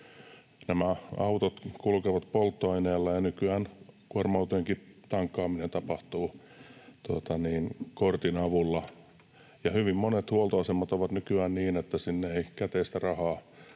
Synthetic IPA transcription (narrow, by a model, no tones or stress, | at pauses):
næmæɑut̪ot̪kulkeʋɑt̪polt̪ːoɑineːlːɑjɑnykyæːnkuormɑut̪oeŋkit̪ɑŋkːɑːminent̪ɑpɑht̪uː | t̪uot̪ɑniːnkort̪inɑʋulːɑ | jɑhyʋimmonet̪huolt̪oɑsemːɑt̪oʋɑt̪nykyæːnniːnet̪ːæsinːeeikæt̪eist̪ærɑhɑː